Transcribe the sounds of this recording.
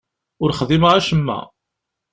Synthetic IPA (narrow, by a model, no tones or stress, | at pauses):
ʊɾχðiməʁaʃəmːæ̰